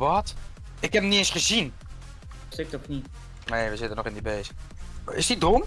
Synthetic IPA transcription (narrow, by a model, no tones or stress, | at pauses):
ʋɔt | ɪkhɛpəmniɪnsχəzin | stɪk̚tɔtni | neːʋəzɪtənɔχɪndibeːsəɪ̰sidʊm